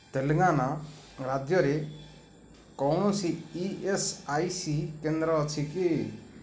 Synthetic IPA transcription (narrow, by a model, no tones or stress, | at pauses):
t̪eleŋana | ɾad͡ʒjɔɾe | kɔwɽ̃ɔsiiesajsikend̪ɾɔːt͡ʃʰiki